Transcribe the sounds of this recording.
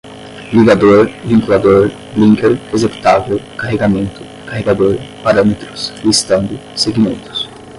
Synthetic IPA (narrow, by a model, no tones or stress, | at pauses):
liɡad̪oɾviŋkulad̪oɾ | liŋkeɾezept̪avekaheɡament̪u̥ | kaheɡad̪oɾpaɾamet̪ɾuslist̪ãnd̪useɡimẽnt̪u̥s